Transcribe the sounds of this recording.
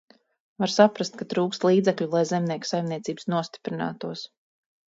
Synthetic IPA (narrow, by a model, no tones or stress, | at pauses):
vaɾsapɾast̪̚kat̪ɾuːkst̪lˠiːd̪zɛklʲulˠajzɛmnʲiɛksajmniɛt̪sʲiːbsnuɔst̪ʲi̥pɾina̰ːt̪uɔs